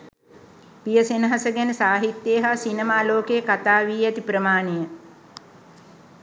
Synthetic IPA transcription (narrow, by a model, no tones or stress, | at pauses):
pijəsenəɦasəɡænəsaːɦit̪jeːɦasinemaːloːkejəkat̪aːʋiːɛt̪ipɾəmaːnejə